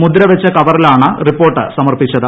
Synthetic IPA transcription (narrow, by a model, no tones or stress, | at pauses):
mud̪ɾɐʋɐt͡ɕːɐkɐʋɐrilaːɳɨripːo̞ːrʈːɨ̰sɐmɐrpit͡ɕːɐðɨ